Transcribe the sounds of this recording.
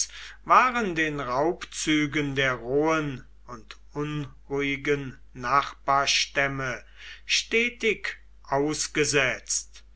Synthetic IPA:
vaːʁəndeːnʁaʊpt͡syːɡəndeːɐʁoːən | ʊntʔʊnʁuːɪɡənː | aχb̥aːɐʃtɛmə | ʃtɛːtɪk | ʔaʊsɡ̥əzɛt͡st

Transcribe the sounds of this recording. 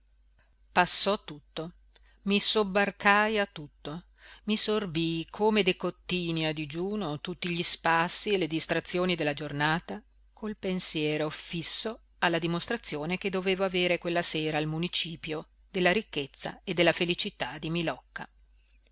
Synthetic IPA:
pasːɔt̪ːut̪ːo | misobːarkajat̪ːut̪ːo | misorbikʰoːmed̪ekot̪ːiːniad̪id͡ʒuːnot̪ut̪ːiʎispasːieled̪ist̪ɾat̪sːjoːnid̪elːad͡ʒornaːt̪a | kʰolpensjɛːɾofisːo | alːad̪imost̪ɾat̪sːjoːneked̪ːoveːvoaveːɾekwelːaseːɾaːlmunit͡ʃiːpjo | d̪elːaɾikːet̪sːa̰ed̪ːelːafelit͡ʃit̪ad̪imilɔkːa

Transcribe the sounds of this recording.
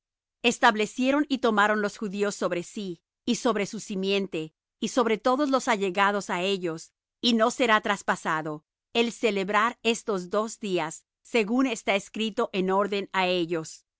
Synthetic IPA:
e̞st̪aβle̞sje̞ɾo̞nit̪o̞maɾo̞nlo̞sxuðio̞sːo̞βɾe̞siː | so̞βɾe̞susimje̞nt̪e̞ | iso̞βɾe̞t̪o̞ðo̞zlo̞saʝe̞ɣaðosae̞ʝo̞s | ino̞se̞ɾat̪ɾaspasaðo̞ | e̞lse̞le̞βɾaɾe̞st̪o̞zd̪o̞zd̪iasː | e̞ɣune̞st̪aeskɾit̪o̞ʔeno̞ɾðe̞nae̞ʝo̞s

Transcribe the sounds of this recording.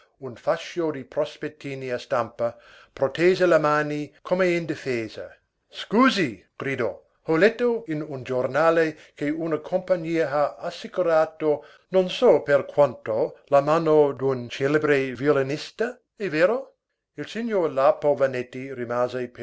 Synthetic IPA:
unfaʃjod̪ipɾospet̪ːiːniast̪ampɐ | pɾot̪eːzelamaːnikʰomeind̪ifeːza̰ | skuːziɡ̥ɾid̪ɔ | olɛt̪ːoinund͡ʒornaːle | keunɐkʰompaɲiːɐaasːikuɾaːt̪o | nonsɔperkʰwant̪olamaːnod̪unt͡ʃelebɾeviolinist̪a | eveːɾo | ilsiɲjoːrlapovanet̪ːiɾimaːzep

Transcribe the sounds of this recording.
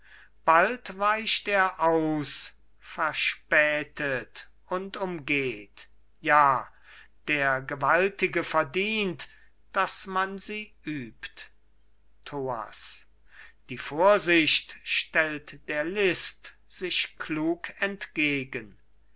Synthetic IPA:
b̥altvaɪʃteːɐʔaʊs | fɛɐʃpɛːtʰət | ʊntʊmɡeːt | jaː | d̥eːɐɡəvaltɪɡəfɛɐdiːnt | d̥asmanziːʔyːpt | tʰoːa̰s | d̥iːfoːɐzɪɕtʃtɛltd̥eːɐlɪst | z̥ɪʃkʰluːkɛntɡ̥eːɡən

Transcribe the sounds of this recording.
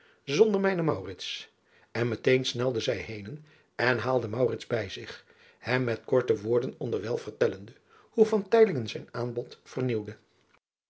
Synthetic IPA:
zɔndəɹmɛjnəmɑwrɪts | ɛnmətejnsnɛlˠdəzɛjɦejnən | ɛnɦaːlˠdəmɑwrɪtzbɛjzɪχ | hɛmːɛtkɔɹtəʋʊːɹdənɔndəɹʋɛlˠv̥ərtɛləndə | huvɑntɛjlɪŋənzɛjnaːnbɔtfərniwdə

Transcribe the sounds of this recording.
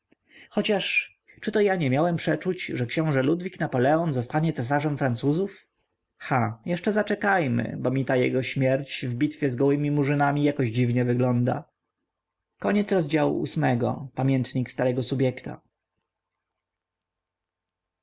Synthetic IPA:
xɔt͡ɕaʂ | t͡ʂɘt̪ɔjaɲɛmʲjawɛmpʂɛt͡ʂut͡ɕʐɛkɕɔ̃w̃ʐɛlud̪vʲiknapɔlɛɔnzɔst̪aɲɛt̪sɛs̬aʐɛmfɾant̪suzuf | xajɛʂt͡ʂɛzat͡ʂɛkajmɘ̰bɔmʲit̪ajɛ̰ɡɔɕmʲjɛɾt͡ɕvbʲit̪fʲjɛzɡɔwɘmʲimuʐɘnamʲijakɔʑd͡ʑivɲɛvɘɡlɔnd̪a̰ | kɔɲɛt̪sɾɔzd͡ʑawṵʔṵsmɛɡɔ̰pamʲjɛnt̪ɲikst̪aɾɛɡɔsubʲjɛkt̪a̰

